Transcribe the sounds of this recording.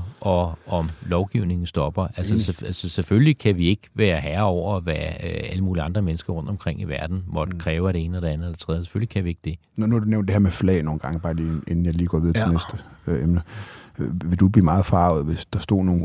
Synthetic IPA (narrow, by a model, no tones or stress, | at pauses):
ʔɒ̽ɒ̽mlɒʊɡ̥iʊne̝ŋn̩sd̥ɒ̽b̥ɐælsəseælsəseføllikʰæʋie̝ɡ̥ʋæːɐɦæɐɒʊ̰ɐʋææləmuːliɑ̈nd̥ʁɐmenəsɡ̥ɐʁɔ̽n̰d̥ɒmkʰʁeŋ̰iʋæɐd̥n̩ʋɒdkʰʁɛːʊɐɾ̥e̝e̝ːnəɒɾ̥e̝ænð̩ˠɒd̥e̝t͡sʰʁɛðˠse̥følikʰæʋie̝ɡ̥̚d̥e̝ | nunuæd̥uneʊnd̥eheɐmeflɛ̰ːno̝ːn̩ɡ̥ɑ̈ŋəb̥ɑ̈ːlienn̩jɑ̈ɪliːɡ̥ɒ̰ːʋið̞ˠt͡sʰenesd̥əemnə | ʋe̝d̥uɡ̚b̥liːmɑ̈ːð̩ˠfɑ̈ʊð̩ˠʋe̝sd̥ɑ̈sd̥ɔ̰ːno̝ː